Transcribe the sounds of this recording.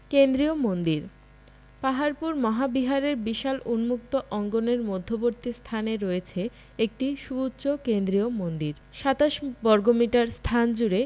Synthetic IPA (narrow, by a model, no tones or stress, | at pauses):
kend̪ɾiomond̪iɾ | paɦaɾpuɾmɔɦabiɦaɾeɾbiʃalʔunmuk̚t̪oʔɔŋɡoneɾmod̪ʱːoboɾt̪ist̪ʰaneɾoet͡ɕʰe | ek̚ʈiʃuutːɕokend̪ɾiomond̪iɾ | ʃat̪aʃbɔɾɡomiʈaɾst̪ʰand͡ʑuɾe